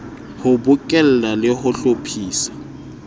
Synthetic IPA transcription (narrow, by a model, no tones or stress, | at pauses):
hʊbʊkʼɛl̩lalɪhʊɬopʰiːsḁ